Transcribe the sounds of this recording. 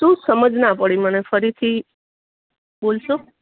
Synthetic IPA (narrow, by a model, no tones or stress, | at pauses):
t̪ũsəməd͡ʒnapəɽimənefəɾit̪ʰi | bolʃo